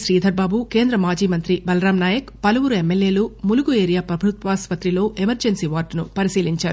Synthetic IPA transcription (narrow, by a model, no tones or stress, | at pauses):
ʃɾiːd̪ʱɐɾbaːbuke̞ːnd̪ɾɐmaːd͡ʒiːmɐnt̪ɾibɐlɐɾaːmnaːjɐkpɐlɐʋuɾuemːelje̞ːlumuluɡueːɾijaːpɾɐbʱɾut̪ʋaːspɐt̪ɾilo̞ːʔemɐɾd͡ʒensiːʋaːɾɖnupɐɾisiːliɲt͡ʃaːɾu